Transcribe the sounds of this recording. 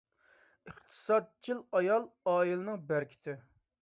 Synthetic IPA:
əχt̪ʰɨ̥sɑd̪̚t͡ʃʰilˠɑjɑlˠɑːilɨnɨŋbæɾkʲʰɪ̥t̪ɪ

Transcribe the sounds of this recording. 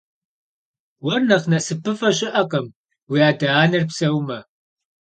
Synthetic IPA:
wɐrnɐχnɐsɨpʰɨfɐɕɪʔɐqʼɐm | wiaːdaaːnɨrpsɐwmɐ

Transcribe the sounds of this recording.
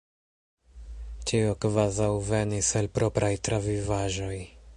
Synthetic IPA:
t͡ʃiokvazawve̞niselpɾo̞pɾʔajtɾavivaʒo̞j

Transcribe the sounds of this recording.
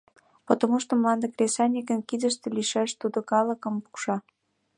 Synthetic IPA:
pot̪omuʃt̪omlɑnd̪ə̆krʲesɑnʲikə̆nkid̪ə̆ʃt̪ĕliʃæʃt̪ud̪okɑlə̆kə̆mpu̥kʃɑ

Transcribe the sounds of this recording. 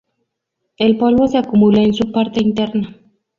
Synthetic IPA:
elpwelβoseakumulaensupaɾt̪eint̪eɾna

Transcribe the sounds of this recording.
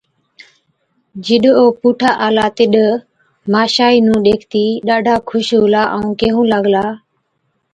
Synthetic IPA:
d͡ʒɪɗoːpuːʈʰaːʔaːlaːt̪ɪɗ | maːʃaːiːnũːɗeːkʰt̪iːɗaːɖʱaːkʰʊʃʊlaːʔəũːkeːɦũːləɠlaː

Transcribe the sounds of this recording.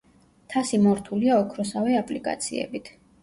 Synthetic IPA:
t̪ʰasimɔɾt̪ʰuliaɔkʰɾɔsavɛapʼlikʼa̰t̪sʰḭɛ̰bit̪ʰ

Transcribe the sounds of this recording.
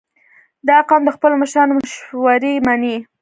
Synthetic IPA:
d̪ɑːqɑmd̪əxpəloməʃɾɑnomʊʃwaɾimani

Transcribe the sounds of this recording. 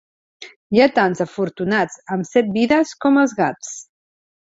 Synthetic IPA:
jat̪anzəfuɾt̪unad͡zəmsɛt̪̚biðəskɔməlˠzɣat͡s

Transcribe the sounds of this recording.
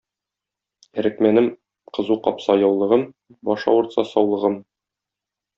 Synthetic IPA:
æ̆ɾɘ̆kmænɘm | qɤ̆zuqɒpsɑjɒwlˠɤ̆ʁɤm | bɒʃɑ̰wŭɾt̪sɑsɒwlˠɤ̆ʁɤm

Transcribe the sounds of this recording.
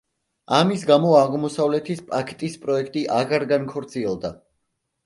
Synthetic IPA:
amisɡamɔaʁmɔsavlɛt̪ʰispʼakʰɛ̥t̪ʼispʼɾɔɛkʰt̪ʼiʔaʁaɾɡankʰɔɾt̪sʰiɛlˠd̪a

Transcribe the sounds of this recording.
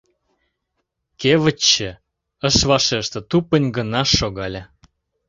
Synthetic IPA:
kevə̆t͡ɕːə̆ | ə̆ʃvɑʃeʃt̪ə̆t̪upənʲɡə̆nɑʃːoɣɑlʲə

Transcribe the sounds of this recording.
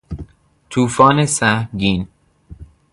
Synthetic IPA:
t̪ʰuːfɒːnesæhɡin

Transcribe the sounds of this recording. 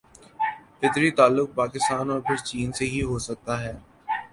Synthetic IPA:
fɪt̪ɾit̪aːlːʊk̚paːkɪst̪aːnɔːɾpʰɪɾt͡ʃiːnseɦiɦosɐk̚t̪aɦɛː

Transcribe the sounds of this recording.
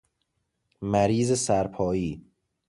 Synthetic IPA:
mæɾiːzesæɾpʰɒːjiː

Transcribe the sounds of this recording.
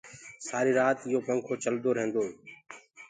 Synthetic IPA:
saːɾiːɾaːt̪ɪɦoːpəŋkʰoːt͡ʃəld̪oːɾẽːnd̪oː

